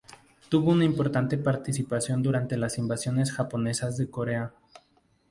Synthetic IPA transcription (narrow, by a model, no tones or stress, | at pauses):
t̪uβo̞unaimpo̞ɾt̪ant̪e̞paɾt̪isipasjo̞nd̪uɾant̪e̞lasimbasjo̞ne̞sxapo̞ne̞sazðe̞ko̞ɾe̞a